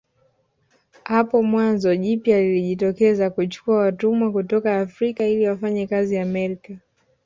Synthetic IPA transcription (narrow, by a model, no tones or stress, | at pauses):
hapɔmwanzɔʄipjaliliʄitɔkɛzakut͡ʃu̥kuawatumwakutɔkaːfɾikailiwafaɲɛkaziamɛɾika